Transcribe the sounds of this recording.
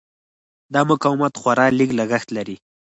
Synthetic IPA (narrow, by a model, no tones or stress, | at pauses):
d̪ɑmʊkɑwɪmat̪xwaɾɑliklaɡaxt̪laɾi